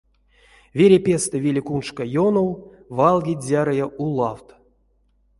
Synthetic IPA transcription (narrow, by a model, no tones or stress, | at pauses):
vʲeɾʲepʲest̪ɨvʲilʲikunʂkajonow | valˠɡʲitʲzʲaɾɨjaʔulˠawt̪